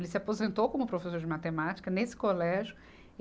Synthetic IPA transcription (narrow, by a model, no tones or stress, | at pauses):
lɪsɪapozẽnt̪owkõmʊpɾofesoɾd͡ʒɪmat̪emat͡ʃi̥kɐnesɪ̥kolɛʒjʊ